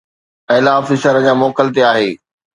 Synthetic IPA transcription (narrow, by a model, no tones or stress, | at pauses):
ɛ̃ːlaːfɪʃəɾəd͡ʑaːmɔːkəlt̪eaːɦeː